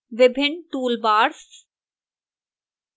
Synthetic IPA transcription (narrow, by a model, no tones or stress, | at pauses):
ʋɪbʱɪnʈ̪uːlbaːɾs